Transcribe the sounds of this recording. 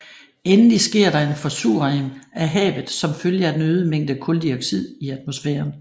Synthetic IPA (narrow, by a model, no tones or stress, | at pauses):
enəlisɡ̥e̝ɐ̰ɾɑ̈e̝nfɒsṵɐʁeŋæɦɛ̰ːʋð̩ˠsɒ̽mføljəæd̥enøːð̞ˠəmeŋ̰d̥əkʰɔ̽ld̥iɐɡ̥sið̰ˠiæd̥mo̝sfeːɐn